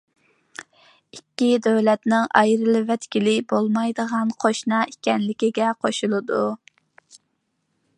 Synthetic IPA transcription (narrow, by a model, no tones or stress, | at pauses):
ikʲːid̪øwlɛt̪nɪŋʔɑ̰jɾɨlˠɨvɛt̪kʲilɪbolˠmɑjd̪əʁɑnqʰoʃnɑʔikʲɛnlɪkʲiɡʲɛqʰoʃulˠɨd̪u